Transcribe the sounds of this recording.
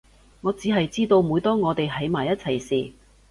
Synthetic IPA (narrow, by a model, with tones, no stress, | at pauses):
ŋɔː˨˧t͡siː˨˥ɦɐ˨jt͡siː˥t̪o˧wmuː˨˧jt̪ɔː˥ŋɔː˨˧t̪e˨jɦɐ˨˥jmaː˨˩jɐ˥t̚t͡sʰɐ˨˩jsiː˨˩